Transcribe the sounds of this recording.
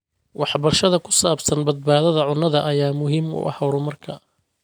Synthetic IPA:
wɑħbɐrʃɐðɐkʰʊ̥saːbsɐnbɐd̪̚baːðɐðɐʕʊnːɐðɐʔɐjaːmʊɦɪmʊ̰ʔɐ̰hɐwɾʊmɐrkʰɐ

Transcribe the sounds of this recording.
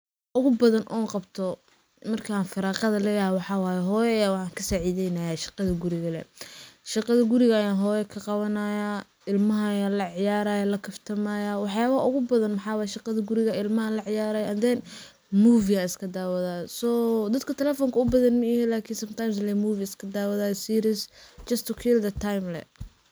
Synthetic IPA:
ʔʊɣʊbɐðɐnʔɔːqɑbt̪ʰɔ | mɐrkʰaːnfɪɾɑːqɐðɐlɛːjɐhwɑħɑwaːjɛɦɔːjɛɐjaːwɑħɑːŋkʰɐsaːʕiːðɛjnɐjaːʃɪqɑðɐɡʊɾɪɣɐlɛ̰ʃɪqɑðɐɡʊɾɪɣɐːjaːnɦɔːjɛkʰɐqɑβɐnajaː | ɪlmɐɦɐjalɐʕɪjaːɾaːjɐlɐkʰɐft̪ʰɐmaːjaːwɑħjaːβɐɦɐʔʊɣʊbɐðɐnmɑħɑːwɑːjɛʃɪqɑðɐɡʊɾɪɣɐɪlmɐɦɐlɐʕɪjaːɾɐːjʔɐnd̪ɛn | muːviaɪskʰɐd̪aːwɐðaːsɔːd̪ɐd̪kʰɐt̪ʰɛlɛːfɔŋkʰɐʊbɐðɐnmɐɛhɛlaːkʰɪnsɐmt̪ʰajms̬lɛmuːviɪskʰɐd̪aːwɐðaːjsiːɾɪst͡ʃɐst̪ʊkʰild̪ɐt̪ʰːajmlɛ̰

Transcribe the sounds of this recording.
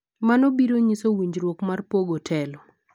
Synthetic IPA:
manɔbiɾoɲisowiɲd͡ʒɾwokmarpoɡotʰɛlɔ

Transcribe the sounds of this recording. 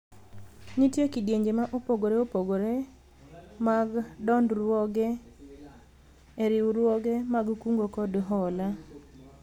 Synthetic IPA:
nitjekidjeɲd͡ʒemaʔopoɡoɾeopoɡoɾe | maɡdɔndɾwɔɡe | eɾɪuɾwɔɡemaɡkuŋɡokɔdɦɔla

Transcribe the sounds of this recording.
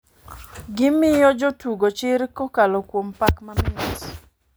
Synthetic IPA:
ɡɪmɪjɔd͡ʒɔtuɡot͡ʃɪɾkokalɔkwompakmamɪas

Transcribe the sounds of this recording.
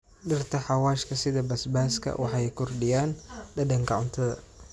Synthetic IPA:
ɖɪrt̪ʰɐħɑwaːʃkʰɐsɪðɐbɐsbaːskʰɐ̰wʔɑħɑɛjkʰʊrɖɪjaːnɖɐdɐŋkʰɐʕʊnt̪ʰɐðɐ̰

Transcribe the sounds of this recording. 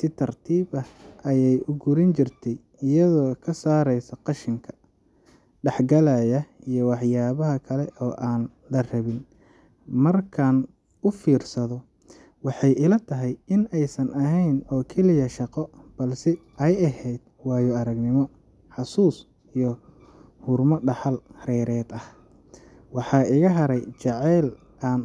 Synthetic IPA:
sɪt̪ʰɐrt̪ʰiːβɐʔɐjɛjʔʊɡʊɾɪnt͡ʃɪrt̪ʰɛj | ɪjɐðɔːkʰɐsaːɾɛjsɐqɑʃɪŋkʰɐ̥ | ɖɛħɡɐlaːjɐijɔwɑħjaːβɐɦɐkʰɐlɛʔɔːʔaːn | lɐrɐβɪn | mɐrkʰaːn | ʊfiːrsɐðɔ | wɑħɑjɪlɐt̪ʰɐɦɛjɪnɛjsɐnʔɐɦɛjnɔːkʰɛlɪjɐʃɑqɔb̥ɐlsɛʔɛjɐhɛjd̪̥̚ | wɑːjɔɐɾɐɡnɪmɔ | ħɑsuːs | ijɔ | hʊrmɔɖɑħɑlrɛːɾɛːd̪ɐh | wɑħɑːʔɪɣɐɦɐɾɛjt͡ʃɑʕɛl | ʔaːn

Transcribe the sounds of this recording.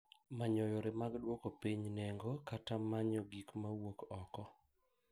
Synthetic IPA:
maɲɔjɔɾɪmaɡdwɔkɔpiɲnɛŋɡokatamaɲɔɡikmawokɔkɔ

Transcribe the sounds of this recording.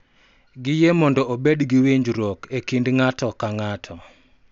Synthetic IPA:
ɡɪjemɔndɔʔobedɡiwiɲd͡ʒɾokekindŋatɔkaŋatʰɔ

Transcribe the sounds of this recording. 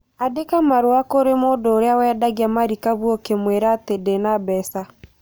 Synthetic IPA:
adekamaɾoakoɾemoːdooɾeawɛdaɣiamaɾikaβwɔkemweɾatedenabɛsa

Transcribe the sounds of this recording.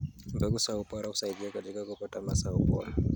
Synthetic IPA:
mbɛkusaupɔɾahu̥saiɗiakatikakupɔtamasaupɔ̰ɾa

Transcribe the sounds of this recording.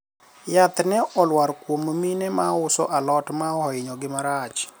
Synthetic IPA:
jat̪nɛʔɔlwaɾkwomminɛmaʊsɔ̰ʔalɔtmaɔɪɲɔɡɪmaɾat͡ʃ

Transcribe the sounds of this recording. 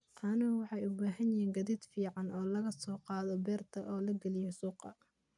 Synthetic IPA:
ʔɑnɐwɑħɑjʊbaːɦɐnjiːŋɡɐðiːd̪fiːʕɑnʔɔːlɐɣɐsɔːqɑːðɔbɛːrt̪ʰɐʔɔːlɐɡɐlɪjɔsuːqɑ

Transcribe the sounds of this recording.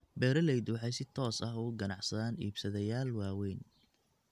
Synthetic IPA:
bɛːɾɐlɛjd̪uħɛjsɪt̪ʰɔːsɐɦʊɡɐnɑʕsɐðaːniːbsɐðɛjaːlwɑːwɛjn

